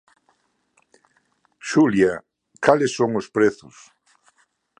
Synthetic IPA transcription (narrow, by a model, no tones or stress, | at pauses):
ʃulja | kalesːoŋospɾeθʊs